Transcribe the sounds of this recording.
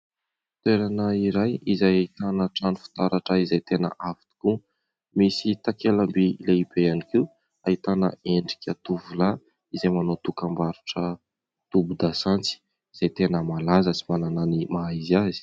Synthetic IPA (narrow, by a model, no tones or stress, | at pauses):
t̪eɾanəiɾajizajait̪anəʈ͡ʂanifi̥t̪aɾaʈ͡ʂəizajt̪enə̰ʔavi̥t̪i̥ku | misit̪akelambileibeanikiw | ait̪anə̰eɳɖ͡ʐikʲat̪uvula | izajmanot̪ukambaɾuʈ͡ʂə | t̪ubud̪asant͡si̥ | iz̥ajt̪enəmalazəsimanananimaiziazi̥